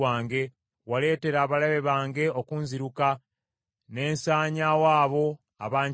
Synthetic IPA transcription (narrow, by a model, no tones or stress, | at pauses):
aːŋɡe̞ | wale̞ːte̞ɾaːβalaβe̞βaːŋɡe̞o̞kuːnziɾuka | ne̞ːnsaːɲawaːβo̞ | a̰βaːɲ